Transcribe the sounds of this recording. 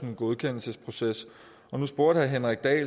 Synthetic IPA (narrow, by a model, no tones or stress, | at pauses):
nɡ̥o̝ðˠkʰen̰l̩səspʰʁo̝ses | ɒ̽nusb̥o̝ɐ̰d̥hæɦenʁaɡ̥̚d̥ɛ̰ːl